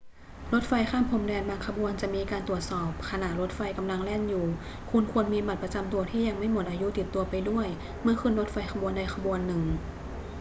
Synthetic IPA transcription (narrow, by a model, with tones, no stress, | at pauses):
ɾo˦˥t̪̚fa˧jkʰaː˥˩˨mpʰo˧˦mdɛː˧nbaː˧ŋkʰa˧bu˧ənt͡ɕa˨˩ʔmiː˧kaː˧nt̪u˨˩ət̪̚sɔː˨˩p̚kʰa˧na˨˩ʔɾo˦˥t̪̚fa˧jka˧mla˧ŋlɛː˥˩njuː˨˩ | kʰu˧nkʰu˧ənmiː˧ma˨˩t̪̚pɾa˧t͡ɕa˧mt̪u˧ɐt̪ʰiː˥˩ja˧ŋma˥˩jmo˨˩t̪̚ʔaː˧ju˦˥t̪i˨˩t̪ːu˧ɐpa˧jdu˥˩əj | mɯ˥˩ɐkʰɯ˧˥nɾo˦˥t̪̚fa˧jkʰa˧bu˧ənda˧˩jkʰa˧bu˧ənːɯ˨˩ŋ